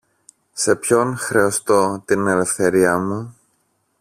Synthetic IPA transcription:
se̞pço̞nxɾe̞ost̪o̞t̪ine̞le̞fθe̞ɾiɐmu

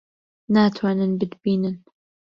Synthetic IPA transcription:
naːt̪ʰwaːnɨnbɨd̪biːnɨn

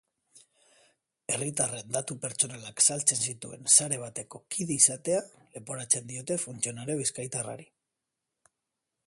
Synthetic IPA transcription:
e̞rit̪are̞nd̪at̪upe̞ɾt͡ʃo̞nalaksalt͡se̞nsit̪ṵe̞̰nsaɾe̞β̞at̪e̞ko̞kiðeisat̪e̞ale̞po̞ɾat͡se̞nd̪io̞t̪e̞funt͡sio̞naɾoβiskajt̪ara̰ɾi

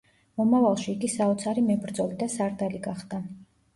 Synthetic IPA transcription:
mɔmavalˠʃiːɡisaɔt̪sʰaɾimɛbɾd̪zɔlid̪asaɾd̪aliɡaχd̪a

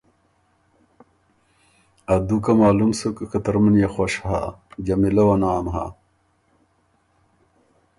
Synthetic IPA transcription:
ɐd̪ukɐmaːlumsukkɐt̪ɐɾmɐnjaxwaʂha̰d͡ʑɐmilɐwɐnaːmɦa̰

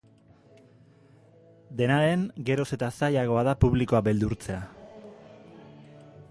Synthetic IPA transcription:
d̪e̞naɾe̞ŋɡe̞ɾo̞se̞t̪asajaɣ̞o̞aðapuβliko̞abe̞ld̪uɾt͡se̞a

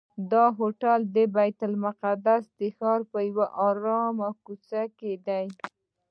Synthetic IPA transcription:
d̪ɑɦoʈald̪əbajt̪almʊqad̪asd̪əxɑɾpəjawaʔɑɾɑmakut͡saked̪aj

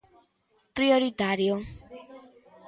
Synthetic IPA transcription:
prijoɾid̪ʱaɾjo

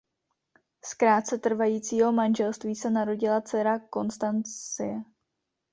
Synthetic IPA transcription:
skɾaːt̪̚t͡sɛt̪r̩vajiːt͡siːɦo̞manʒɛlst̪viːsɛnaɾo̞ɟɪlat͡sɛɾako̞nst̪anɪjɛ

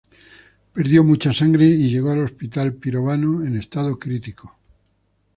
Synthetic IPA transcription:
pe̞ɾðjo̞mut͡ʃasaŋɡɾeiʎe̞ɣ̞oalo̞spit̪alpiɾoβanoene̞st̪að̞okɾit̪iko

